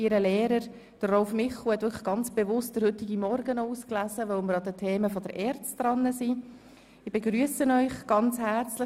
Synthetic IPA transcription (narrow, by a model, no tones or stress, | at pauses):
iɾəlɛːɾəɾ | d̥ərɔlfmɪχl̩hɛt̪vʏɾkχəɡ̥ɑnt͡sb̥eʋʊst̚d̥əɾhɵtɪɡimɔɾɡənɔuːsklæzəʋœʊməɾɑdətʰeːməfɔdəɾʔɛɾt͡std̥ɾɑnːəsi | ɪbeɡɾyəsənœʏχɡ̥ɑnt͡shæɾt͡slə